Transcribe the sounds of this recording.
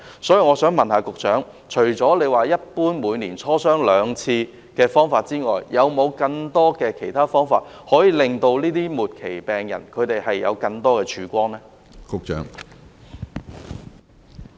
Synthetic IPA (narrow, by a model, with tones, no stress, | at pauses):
sɔː˨˥jiː˨ŋɔː˨˧sœː˨˥ŋmɐ˨nhaː˨˧kʊ˨k̚t͡ʃœː˨˥ŋ | t͡ʃʰɵ˨˩ɥt͡sɔː˨˥le˨˧jwaː˨jɐ˥t̚puː˥nmuː˨˧jniː˨˩nt͡sʰɔː˥sœː˥ŋlœː˨˧ŋt͡sʰiː˧ | kɛː˧fɔː˥ŋfaː˧t̚t͡siː˥ŋɔː˨jjːʔɐ˨˧wmo˨˧wkɐ˧ŋt̪ɔː˥kɛː˧kʰe˨˩jt̪ʰaː˥fɔː˥ŋfa̰ː˧t̚ | hɔː˨˥jiː˨˧lɪ˨ŋt̪o˧wliː˥t̪iː˥muː˨t̚kʰe˨˩jpɛː˨˩ŋjɐ̰˨˩nkʰɵ˨˧ɥt̪e˨jhɐ˨jːɐ̰˨˧wkɐ˧ŋt̪ɔː˥kɛː˧t͡ʃʰyː˨˥kʷɔː˥nɛː˥ | kʊ˨k̚t͡ʃœ̰ː˨˥ŋ